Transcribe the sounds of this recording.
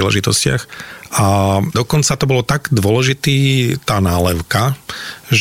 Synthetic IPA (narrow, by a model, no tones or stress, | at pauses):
ilɛ̰ʒit̪ɔscɪa̰xad̪ɔkɔnt͡sat̪ɔbɔlɔt̪aɡd̪ʊɔlɛʒit̪iːt̪aːnaːlɛʊkaʒ